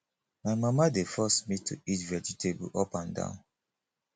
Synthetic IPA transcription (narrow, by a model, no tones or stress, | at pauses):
maɪmamadefɔsmitʰuitvɛd͡ʒitʰebṵʔɔpãndã̰ʊ̃n